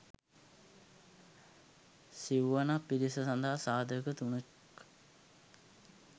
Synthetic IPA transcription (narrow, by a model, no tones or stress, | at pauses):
siʋʋɐnapiɾisɐsɐnd̪ʱaɦasaːd̪əkət̪unek